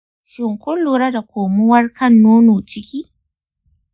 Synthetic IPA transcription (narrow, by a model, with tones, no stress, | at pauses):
ʃɪ˨ŋkʷʊ˦lːuː˨ɾɐ˦da˨kʷoː˨mʊ˦wɐ˦rkʰɐ˦˨nːoː˦nuː˨t͡ʃɪ˦kʲiː˦